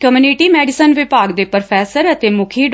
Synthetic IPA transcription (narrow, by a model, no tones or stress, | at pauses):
kəmjuːniʈiːmɛːɖɪsənʋɪpaːɡd̪eːpəɾpʰɛːsəɾət̪eːmʊkʰiːɖ